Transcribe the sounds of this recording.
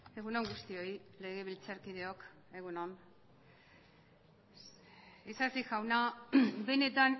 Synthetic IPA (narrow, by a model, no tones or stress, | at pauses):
e̞ɣunoŋɡust̪io̞ile̞ɣe̞β̞ilt͡saɾkiðe̞o̞k | e̞ɣunon | isasiʝawnabe̞ne̞t̪an